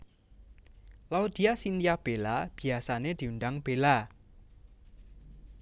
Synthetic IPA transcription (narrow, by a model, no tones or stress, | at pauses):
laod̪̥i̤asint̪ijab̥elab̥i̤asaned̪̥i̤uɳɖaŋb̥e̤la